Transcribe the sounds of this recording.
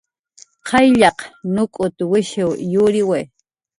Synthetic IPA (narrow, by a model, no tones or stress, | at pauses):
qʰɑjʎɑqnʊkʼʊt̪wɪʃɪwjʊɾɪwej